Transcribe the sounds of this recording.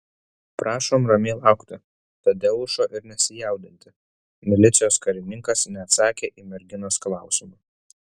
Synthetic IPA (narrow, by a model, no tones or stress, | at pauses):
pɾʔɑːʃoːmɾɐmʲeːlˠɑˑʊkt̪ʲɪ | t̪ɐd̪ʲɛlˠʃoːʔɪɾnʲɛsʲɪjɛˑʊd̪ʲɪnʲt̪ʲɪ | mʲɪlʲɪt̪sʲɪjoːskɐɾʲɪnʲɪŋkɐsnʲɛɐt̪sɑːkʲeːʔiːmʲɛɾʲɡʲɪnoːsklˠɑˑʊsʲɪmuː